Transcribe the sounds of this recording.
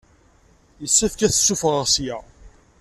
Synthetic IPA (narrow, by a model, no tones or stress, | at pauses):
jəsːæfkæθə̥sːufʁəʁsjæ